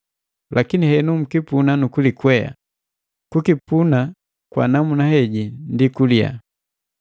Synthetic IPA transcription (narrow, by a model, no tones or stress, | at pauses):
lʔakinihɛnum̩kipunanukulikwɛja̰ | kukipuna | kwa̰namunahɛɟindikulia̰